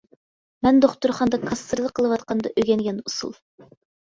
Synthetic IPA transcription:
mɛnd̪oχt̪uɾχɑnd̪ɑkʰɑst̪ɨɾd̪ˠəqʰəlˠɨwɑt̪qɑnd̪ɑʔøɡʲɛnjɑnusṵlˠ

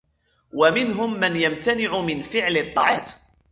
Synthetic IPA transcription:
wamɪnɦʊmːanjamt̪anɪʕʊmɪnfɪʕlɪt̪ˤːɑʕɑːt̪

